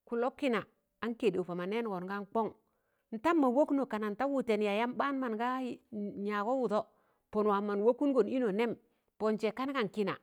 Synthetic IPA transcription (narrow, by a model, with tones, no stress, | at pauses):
ku˨lo˦kːi˦na˨ | a˨˦nke˨de˨fa˨ma˨ne˦n˨ɡo˨nɡa˦ŋk͡po˦ŋ | n̩˨ta˦mːa˨wo˦kno˨ka˨na˨n˨ta˦wu˦˨te˨nja˨ja˦mba˦n˦ma˨nɡa˦ɲa˨ko˦wu˨to˦ | po˨n˨wa˨mːa˨nwo˦kːu˦n˦ɡo˨ni˦no˨ne˦m | po˨nt͡ʃe˨ka˦n˦ka˨nki˦na̰˨